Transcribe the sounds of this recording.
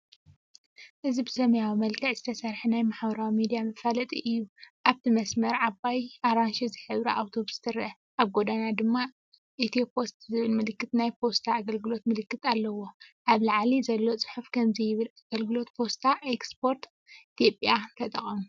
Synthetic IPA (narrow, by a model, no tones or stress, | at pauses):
ʔɨzibɨsɐmɐjawimɐlkʰɐʕzɨt̪ʰɐsɐɾħunajmaħbɐɾawimid̪ijamɨfalɐt̪ʼiʔɨjːuʔaβt̪ʰimɐsmɐɾʕabajʔaɾanʃizɨħɨβɾiʔawt̪ʰo̞βst̪ʰɨɾʔɐ | ʔaβɡo̞d̪anad̪ɨmːa | ʔit̪ʰipʰo̞st̪zɨβɨlmɨlɨkːɨt̪najpʰo̞st̪ʰaːɡɐlɡɨlo̞t̪mɨlɨkːɨt̪ʰʼalːɐwo̞ʔaβlaʕlizɐlːo̞t͡sʼɨ̥ħufkʰɐmzijɪβɨlaɡ̥ɐlɡɨlo̞t̪pʰo̞st̪ʰaʔekspʰo̞ɾt̪ | it̪ʰjo̞pʼjant̪ʰɐt̪ʼɐχʼɐmu